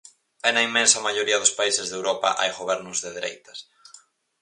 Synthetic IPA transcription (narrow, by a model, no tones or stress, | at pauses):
ɛnɐimːɛ̃nsɐmaʎoɾiɐðʊspaisɪzðewɾɔpɐ̰ʔa̰jɣoβɛɾnʊzðeðeɾḛjt̪ɐs